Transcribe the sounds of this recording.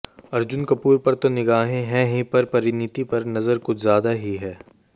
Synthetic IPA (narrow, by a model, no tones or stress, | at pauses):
ɐɾd͡ʒʊnkɐpuːɾpɐɾt̪onɪɡaːɦẽɦɛ̃ɦĩpɐɾpɐɾɪnɪt̪ipɐɾnɐzəɾkʊzjaːd̪aɦiɦɛː